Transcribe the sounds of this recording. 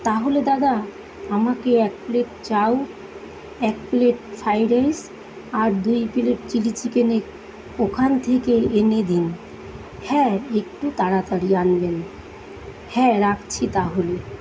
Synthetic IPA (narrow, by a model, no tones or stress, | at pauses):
t̪aɦoled̪ad̪a | amakeɛk̚pleʈ̚t͡ɕaw | ɛkpleʈfʰajɾajs | aɾd̪ujpileʈ̚t͡ɕilit͡ɕikene | okʰant̪ʰekeened̪in | hɛ̃ek̚ʈut̪aɾat̪aɾianlen | hɛ̃ɾakt͡ɕʰit̪aɦole